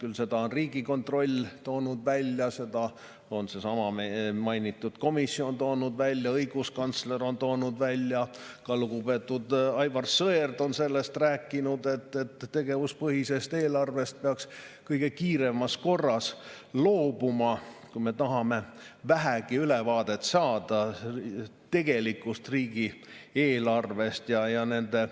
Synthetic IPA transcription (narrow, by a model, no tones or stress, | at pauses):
kylse̞d̪ɑo̞nriːɡ̥iko̞nt̪ro̞lʲt̪o̞ːnud̪̥vælʲjɑse̞d̪̥ɑ | o̞nse̞sɑmɑmɑjnit̪ˑːud̪̥ko̞misːio̞nt̪o̞ːnud̪vælʲːjɑɤjɡ̥uskɑnt̪sle̞ɾo̞nt̪o̞ːnud̪vælʲːjɑkɑluɡupe̞ːt̪ːˑud̪ɑjvɑrsɤerd̪o̞nse̞lːest̪ræːkːˑinud̪e̞t̪ːet̪ːe̞ɡ̥e̞vuspɤhise̞st̪e̞ːlɑrve̞st̪̚peɑks | kɤjɡ̥e̞kiːɾe̞mɑsko̞rːɑs | loːb̥umɑkujme̞t̪ɑɦɑme̞væɦæɡ̥iylevɑːd̪̥e̞t̪sɑːd̪̥ɑ | t̪e̞ɡ̥e̞likˑust̪riːɡ̥ieːlɑrve̞st̪jɑjɑne̞nd̪e̞